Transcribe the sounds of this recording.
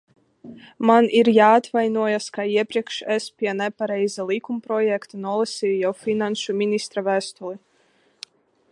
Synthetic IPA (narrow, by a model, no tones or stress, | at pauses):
maniɾjaːt̪vajnuɔjaskaiɛpɾʲiɛkʃɛspʲiɛnɛpaɾɛjzalˠikumpɾɔjɛkt̪anuɔlˠɛsʲijujawfʲinanʃumʲinist̪ɾavæːst̪ulˠi